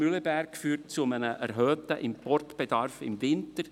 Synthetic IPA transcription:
ylɛbæɾkfyːrt̚t͡sumənəʔɛɾɦœːtəʔɪmpɔrtb̥ed̥ɑrfɪ̰mvɪntəɾ

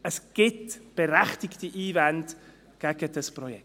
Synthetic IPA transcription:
əsɡ̥ɪtb̥ɛɾɛχtɪktiʔiːvant | ɡ̥ɛɡ̥əd̥əspɾɔjɛk

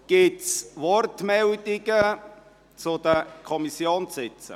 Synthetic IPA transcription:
ɡ̥ɪtsvɔrtmɛld̪ɪɡə | t͡sʊd̥əkʰɔmisjoːnsɪt͡sə̰

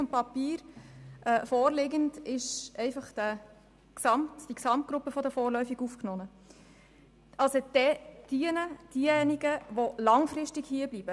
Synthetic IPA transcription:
ʊnm̚pɑpiːɾʔɛfɔːɾlɪɡəndɪʃɛɪfɑχd̥æ | ksɑmtd̥iksɑmt̚ɡ̥ɾʊpːəfɔdəfɔːɾlœʏfiɡufknɔnə | ʔɑlsod̥̪ɛd̥iənəd̥iəɛniɡəʋolɑŋfɾɪʃtikhiəb̥libə

